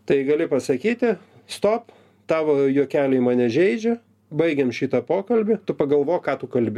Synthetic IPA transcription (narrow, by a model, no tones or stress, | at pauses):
t̪ɐɪɡɐlʲɪpɐsɐkʲiːt̪ʲɪ | st̪oːp | t̪ɑːʋojuɔkʲæːlʲɛɪmɑːnʲɛʒʲɛɪd͡ʒʲɛ | bɐɪɡʲɛmʃʲiːt̪ɐpoːkɐlʲbʲɪt̪ʊpɐɡɐlˠʋoːjkɑːt̪ʊkɐlʲbʲɪ